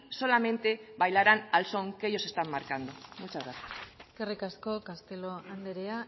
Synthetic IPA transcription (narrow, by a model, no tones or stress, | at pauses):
so̞lame̞nt̪e̞βajlaɾanalso̞ŋke̞jo̞se̞st̪amːaɾkand̪umut͡ʃaðaskerikasko̞kast̪e̞loand̪eɾea